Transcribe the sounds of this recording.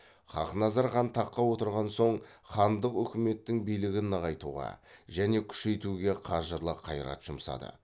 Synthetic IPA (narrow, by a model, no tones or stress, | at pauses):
χɑ̰qnɑzɑɾχɑnt̪ʰɑqːɑwo̞t̪əɾʁɑnso̞ɴχɑnd̪əqʏkʲɪme̞t̪ːɪŋbijlɪɡʲɪnːɑʁɑjt̪uʁɑ̰ʒæne̞kʲʰʏ̥ʃe̞jt̪uɡʲe̞qʰɑʒəɾlˠəqʰːɑjɾɑ̰t̪ʒ̥ʊmsɑ̰d̪ə̰